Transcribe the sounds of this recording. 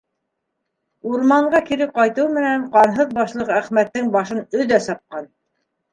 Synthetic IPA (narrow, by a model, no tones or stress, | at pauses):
uɾmɑɴɢɑkiɾɘqɑjt̪ɤwmɘ̆næɴqɑnɦɤðbɑʃlˠɤqæχmæt̪ːɘŋbɑʃɤnɵ̆ðæsɑp̚qɑn